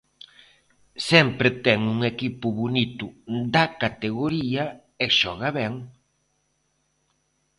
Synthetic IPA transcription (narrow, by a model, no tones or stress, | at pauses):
sɛmpɾɪt̪ɛŋuŋekipʊβonit̪ʊd̪ɐkat̪eɣoɾiɐ | eʃɔɣaβɛŋ